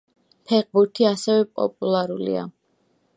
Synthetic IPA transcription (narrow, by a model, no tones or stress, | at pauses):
pʰɛʁbuɾt̪ʰiasɛvɛpʼɔ̰pʼulˠaɾulḭa̰